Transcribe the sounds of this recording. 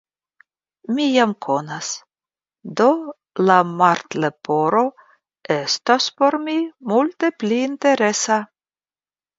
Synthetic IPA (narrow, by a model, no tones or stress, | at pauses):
mijamkʰonas | d̪o | lamaɾt̪lepoɾo̞ | est̪aspo̞ɾmimult̪epliːnt̪e̞ɾesa